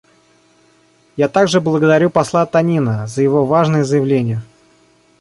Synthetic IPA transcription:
jat̪aɡʐɨblˠəɡəd̪ɐɾʲupɐslˠat̪ɐnʲinəzəjɪvo̞vaʐnəjəzəjɪvlʲenʲɪjə

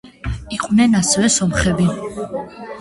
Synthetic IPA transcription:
iqʼvnɛnasɛvɛsɔmχɛbi

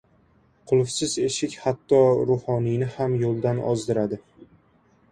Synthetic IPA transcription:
qʰʊlˠfsɪze̞ʃɪkʲhat̪ːɒɾʊhɒnijnɪhamjolˠd̪anɒ̰zd̪ɪɾad̪ɪ

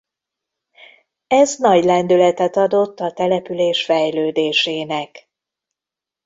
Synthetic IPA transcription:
ɛznɒɟlɛnd̪ylɛt̪ɛt̪ɒd̪o̞t̪ːɒt̪ɛlɛpyleːʃfɛjløːd̪eːʃeːnɛk

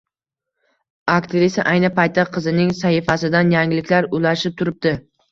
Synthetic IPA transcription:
akt̪ʰɪɾɪsɪʔajnɪpajt̪ːaqʰɨzɪnɪŋsahɪfasɪd̪anjaŋɪlɪkʲlaɾʊlaʃɪp̚t̪ʰʊɾɪp̚d̪ɪ

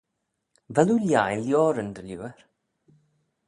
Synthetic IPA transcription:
vɛluljajljɔːɾənd̪əljuːəɾ

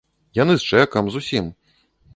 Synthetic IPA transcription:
janɨst͡ʂɛkɐmzusʲim

